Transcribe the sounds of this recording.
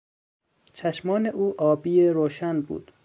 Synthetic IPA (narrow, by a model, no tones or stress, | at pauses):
t͡ʃʰæʃmɒːneʔuːʔɒːbiːeɾoːʃænbṵːd̪̥